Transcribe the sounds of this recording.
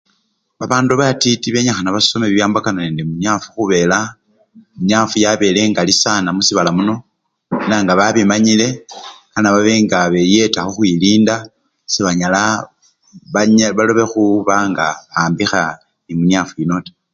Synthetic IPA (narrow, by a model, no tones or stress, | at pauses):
βaβaːnduβatitiβe̞ɲaxanaβaso̞meβijaːmbakanane̞ːndemuɲafu̥xuβe̞la | muɲafujaβe̞le̞ŋɡalisanamusiβalamuno̞ | naːŋɡaβaβimaɲile̞kanaβaβeŋɡaβe̞je̞taxoxwiliːnda | seβaɲala | βaɲβaloβe̞xuβaŋɡaβaːmbixa | nimuɲjafujino̞te̥